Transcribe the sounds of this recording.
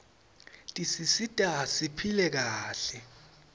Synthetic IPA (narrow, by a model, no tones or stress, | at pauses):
tʼisisitʼasipʰilɛk̬aːɬɛ